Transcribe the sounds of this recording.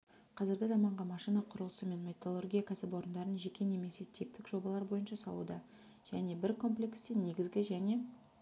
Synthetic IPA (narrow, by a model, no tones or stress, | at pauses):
qʰɑzɪɾɡʲɪzɑmɑɴʁɑmɑʃinɑqʰʊɾəlˠəsəme̞nme̞t̪olˠorɡʲijakasɪpo̞ɾənd̪ɑɾənʒe̞kʲʰe̞ne̞me̞se̞t̪ʲʰip̚t̪ɪkʒ̥o̞bɑlˠɑɾbo̞jənʃɑsɑ̰lˠṵd̪ɑ | ʒ̥æne̞bɪɾkʰo̞mplʲe̞kst̪enːe̞ɡʲɪzɡʲɪʒæne̞